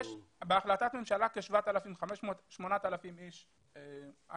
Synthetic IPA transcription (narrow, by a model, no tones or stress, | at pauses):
ʃbeaχlat̪at̪me̞mʃalakeʃvaat̪alafimχameʃmot̪ʃmo̞nat̪alafimiʃ | ea